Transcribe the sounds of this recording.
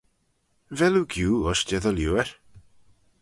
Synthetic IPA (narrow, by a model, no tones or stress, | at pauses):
vɛluɡjuːɔʃdɛðəljuːɛɹ